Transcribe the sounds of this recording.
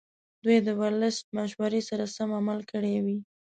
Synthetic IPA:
d̪ujd̪əwalɪst̪̚maʃwaɾesaɾasamamalkəɽewi

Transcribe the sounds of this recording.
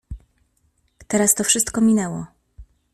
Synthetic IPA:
t̪ɛɾast̪ɔfʂɘst̪kɔmʲinɛwɔ

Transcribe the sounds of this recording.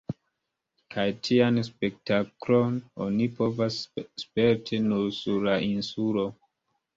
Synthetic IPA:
kʰajtʰianspe̞k̚taklo̞no̰nipo̞vasːpe̞ɾtʰinuɾsuɾlaʔinsulo̞

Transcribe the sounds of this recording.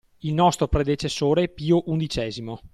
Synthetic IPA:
ilnɔst̪ɾopɾed̪et͡ʃesːoːɾepiːoʔund̪it͡ʃɛːzimo

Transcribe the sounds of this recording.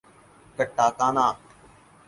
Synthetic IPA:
kəʈːaːkaːnaː

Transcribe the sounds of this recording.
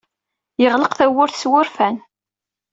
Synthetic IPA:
jəʁləqθæwːʊɾθswʊɾfæn

